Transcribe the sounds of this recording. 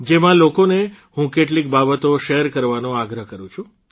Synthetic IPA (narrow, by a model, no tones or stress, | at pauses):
d͡ʒemãlokone | ɦũkeʈlikbabət̪oʃeəɾkəɾʋanõaɡɾəɦkəɾũt͡ʃʰũ